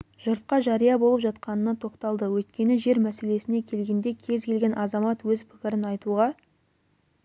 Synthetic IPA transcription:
ʒ̥ʊɾt̪̚qɑʒɑɾijɑbolˠəpʒɑt̪qɑnənɑt̪ʰo̞qt̪ɑlˠd̪əwɵt̪kʲe̞nɪʒe̞ɾmæse̞le̞sɪne̞kʲʰe̞lɡʲe̞nd̪e̞kʲʰe̞zkʲʰe̞lɡʲe̞nʔɑzɑmɑt̪wɵzpʰɪ̥kʲɪɾɪnɑjt̪uʁɑ

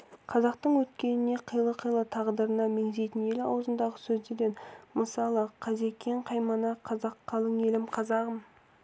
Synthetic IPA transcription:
qʰɑzɑqt̪əɴwɵt̪kʲe̞nɪne̞qʰəjlˠəqʰəjlˠət̪ʰɑʁd̪əɾənɑmeŋzejt̪ɪnje̞lɪɑ̰wəzənd̪ɑʁəsɵzd̪ed̪enməsɑlˠəqʰɑze̞kʲeɴqʰɑjmɑnɑqʰɑzɑqʰːɑlˠəɴe̞lɪmqʰɑzɑʁəm

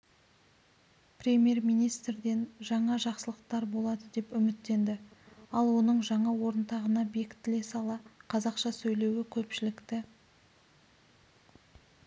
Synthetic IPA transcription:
prʲe̞mʲje̞rmijnijst̪ɾd̪e̞nʒɑɴɑʒɑqsəlˠəq̚t̪ɑɾbo̞lˠɑd̪əd̪e̞pʏmɪt̪ːe̞nd̪ɪɑlˠwo̞nəɴʒɑɴɑwo̞ɾənt̪ɑʁənɑbe̞kʲt̪ːɪle̞sɑlˠɑqʰɑzɑqʃɑsɵjle̞wɪkʲʰɵpʃɪlɪkt̪ɪ

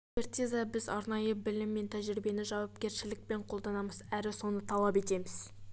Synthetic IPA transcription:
pʲeɾt̪izabɪzɑɾnɑjəbɪlɪmːe̞nt̪ʰæʒɪɾɪbe̞nɪʒɑwɑp̚kʲe̞ɾʃɪlɪk̚pe̞ɴqʰo̞lˠd̪ɑnɑməzæɾɪso̞nət̪ʰɑlˠɑpe̞t̪e̞mɪz̥

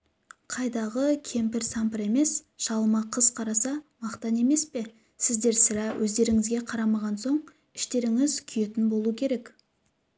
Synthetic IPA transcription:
qʰɑjd̪ɑʁəkʲʰe̞mpɪɾsampɪɾe̞me̞sʃɑlˠəmɑqʰəzqʰɑɾɑsɑmɑqt̪ɑne̞me̞spe̞ | sɪzd̪e̞ɾsɪɾɑwʔɵzd̪e̞ɾɪŋɪzɡʲe̞qʰɑɾɑmɑʁɑnso̞ɴ | ɪʃt̪e̞ɾɪŋɪzkʲʰʏje̞t̪ɪnbo̞lˠukʲʰe̞ɾe̞k

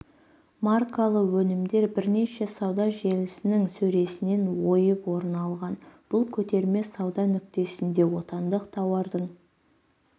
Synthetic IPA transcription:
markalˠəwɵnɪmd̪e̞ɾbɪɾne̞ʃe̞sɑwd̪ɑʒe̞lɪsɪnɪŋsɵɾe̞sɪne̞nwo̞jəpwo̞ɾənɑlˠʁɑnb̥ʊlˠkʲʰɵt̪e̞ɾme̞sɑwd̪ɑnʏk̚t̪e̞sɪnd̪e̞wo̞t̪ɑnd̪əqt̪ʰɑwɑɾd̪əɴ

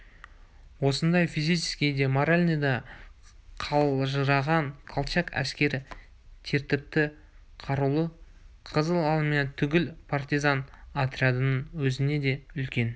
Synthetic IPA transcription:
wo̞sənd̪ɑjfijzijt͡ʃʰɪ̥skʲejd̪e̞moɾalʲnid̪ɑ | qʰɑlˠʒəɾɑʁɑɴkʰalˠt͡ʃɑkæ̰skʲe̞ɾɪ | t̪ʰe̞ɾt̪ɪp̚t̪ɪ | qʰɑɾulˠə | qʰəzəlˠɑlˠmet̪ʰʏɡʲɪlpʰart̪ʲijzanat̪ɾʲijad̪ənəɴwɵzɪne̞d̪e̞ʏlkʲe̞n

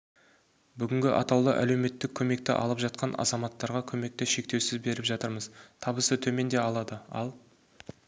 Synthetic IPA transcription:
bʏɡʲɪŋɡʲɪʔɑ̰t̪ɑwlˠə̰ʔæ̰le̞wme̞t̪ːɪkʲʰːɵme̞k̚t̪ɪ̰ʔɑ̰lˠəpʒɑt̪̚qɑnʔɑ̰zɑmɑt̪ːɑɾʁɑkʲʰɵme̞k̚t̪ɪʃe̞k̚t̪e̞wsɪzbe̞ɾɪpʒɑt̪əɾməzt̪ʰɑbəsət̪ʰɵme̞nd̪e̞ɑlˠɑd̪əɑ̰lˠ

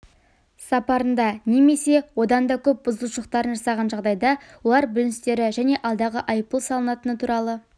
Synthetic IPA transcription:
sɑpɑɾənd̪ɑne̞me̞se̞wo̞d̪ɑnd̪ɑkʲʰɵp̚bʊzəlˠʃəlˠəq̚t̪ɑɾənʒɑsɑʁɑnʒɑʁd̪ɑjd̪ɑwo̞lˠɑɾbʏlnɪst̪e̞ɾɪʒæne̞ʔɑlˠd̪ɑʁəʔɑjp̪̚əlˠsɑlˠənɑt̪ənət̪ʰuɾɑlˠə

